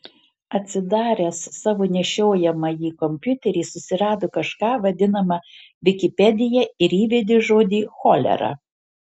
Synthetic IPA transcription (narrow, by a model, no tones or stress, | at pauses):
ɐt̪ʲsʲɪd̪ɑːɾʲɛːssɑːʋoːnʲɛʃʲoːjɛmɐjiːkɔmʲpʲjʊt̪ʲɛɾʲiːsʊsʲɪɾɑːd̪oːkɐʃkɑːʋɐd̪ʲɪnɐmɐ | ʋʲɪkʲɪpʲɛd̪ʲɪjɛɪɾiːʋʲɛd̪ʲɪʒoːd̪ʲiːxoːlʲɛ̰ɾɑ̰